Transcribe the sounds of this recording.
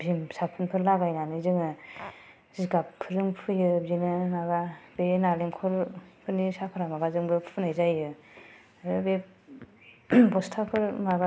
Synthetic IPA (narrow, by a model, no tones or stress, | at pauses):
bimsapʰɯnpʰɯɾlaɡajnanɯzɯŋɯ | ziɡapʰːɯɾɯŋpʰɯjɯbinɯnaɡabenaleŋkʰɔɾpʰɯɾnisapʰaɾamaɡazɯmɡɯpʰɯnajzajɯ | ɯbe | bɔstʰapʰɯɾmaβa